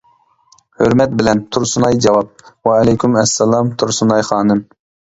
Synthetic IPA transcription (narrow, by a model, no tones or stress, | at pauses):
høɾmɛt̪̚bɪlɛnt̪ʰuɾsunɑjd͡ʒɑwɑp̚wɑɛlɛjkʲymɛsːɛlˠɑmt̪ʰuɾsunɑjχɑːnɨm